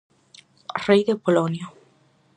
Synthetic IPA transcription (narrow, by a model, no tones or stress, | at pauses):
rejðepolonjo